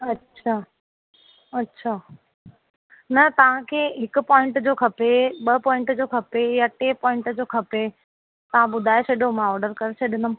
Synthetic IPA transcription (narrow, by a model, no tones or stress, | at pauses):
ɐtːɕʰaː | ɐtːɕʰaː | nɐt̪ɐʋ̤ãkʰeːɦɪkʊ̆pɔːɪ̃ɳʈd͡ʑoːkʰɐpeɓɐpɔːɪ̃ɳʈd͡ʑoːkʰɐpejaʈepɔ̃ːɪ̃ɳʈd͡ʑoːkʰɐpe | t̪ɐʋ̤ãɓʊd̪ʱaːeseɗõmãɔːɾɖəɾkɐɾesʰeɗɪnʊm